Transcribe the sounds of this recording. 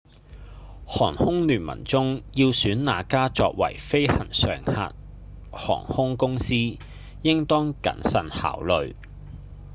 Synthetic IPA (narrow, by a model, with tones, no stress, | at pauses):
hɔː˨˩nhʊ˥ŋlyː˨˩nmɐ̰˨˩nt͡sʊ˥ŋjiː˧wsyː˨˥nnaː˨˧kaː˥t͡sɔː˧k̚wɐ̰˨˩jfe˥jhɐ̰˨˩nsœ̰ː˨˩ŋha̰ː˧t̚ | hɔ̰ː˨˩ŋhʊ˥ŋkʊ˥ŋsiː˥ | jɪ˥ŋt̪ɔː˥ŋkɐ̰˨˥nsɐ˨˧nha̰ː˨˥wlɵ˨ɥ